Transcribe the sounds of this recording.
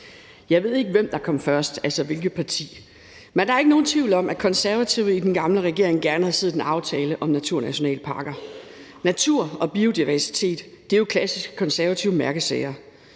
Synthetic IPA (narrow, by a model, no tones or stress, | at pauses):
jɑ̈ɪʋe̝ð̰ˠe̝ɡ̥əʋemd̥ɑ̈kʰɒ̽m̰fɶɐsd̥ælsɒʋe̝lɡ̥ð̩ˠpʰɑ̈t͡sʰḭː | mend̥ɑ̈æɐe̝ɡ̥əno̝ːn̩t͡sʰʋiʊl̩ɒ̽mʔækʰɒ̽nsæɐʋæt͡sʰiʊ̰ð̩ˠid̥enɡ̥ɑ̈mləʁɛɡ̥e̝ɐ̰eŋɡ̥æɐnəhæð̩ˠse̝ð̩ˠenɑ̈ʊt͡sʰɛːləʔɒ̽mnæt͡sʰuɐ̰næɕo̝nɛ̰ːlpʰɑ̈ːɡ̥ɐ | næt͡sʰuɐ̰ɒ̽b̥io̝d̥iʋæɐsi̥t͡sʰe̝̰ːd̥ːe̝jo̝kʰlæsisɡ̥ə̥kʰɒnsæɐʋæt͡sʰiʊmæɐɡ̥əðˠsɛɪɐ